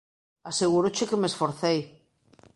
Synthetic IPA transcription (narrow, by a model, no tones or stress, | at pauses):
aseɣ̞uɾot͡ʃekemesfoɾθej